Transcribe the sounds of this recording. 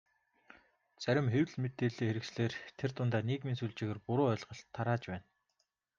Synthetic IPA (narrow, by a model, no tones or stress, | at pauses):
t͡sæɾʲɪ̆mxewɮmet̪eːɮeːxeɾɘ̆ksɮeːrt̪ʰert̪ʊnt̪aːnikmensuːɮt͡ɕĭːɣeːrpʊɾʊːœɮʁə̆ɬt̪ʰːaɾaːt͡ɕpæːn